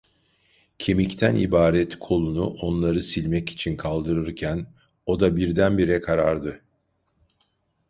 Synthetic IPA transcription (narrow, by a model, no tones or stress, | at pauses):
cʰemict̪ʰænʔḭbaːɾɛt̪kʰo̞lˠunuʔo̞nlˠaɾɯsilʲmɛci̥t͡ʃʰinkʰalˠd̪ɯɾɯɾcʰæn | o̞d̪abiɾd̪ænbiɾɛkʰaɾaɾd̪ɯ